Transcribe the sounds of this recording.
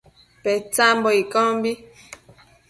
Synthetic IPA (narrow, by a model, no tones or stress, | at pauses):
pɛt͡sambɔikɔmbi